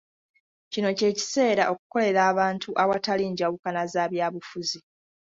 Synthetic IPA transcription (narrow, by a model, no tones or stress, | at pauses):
cino̞ce̞ːci̥se̞ːɾaʔo̞ku̥ko̞le̞ɾaːβaːntʰuʔawataliːɲɟawukanazaːβjaːβufuzi